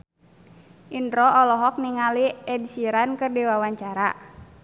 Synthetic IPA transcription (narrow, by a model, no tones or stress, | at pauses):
ʔindɾɔʔɔlɔɦɔk̚niŋaliɛdsiɾankɨrdiwawaɲt͡ʃaɾa